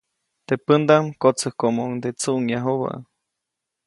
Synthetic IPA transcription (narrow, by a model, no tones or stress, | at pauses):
t̪epənd̪amkot͡səhkomoŋd̪et͡suʔŋjaɦoβa̰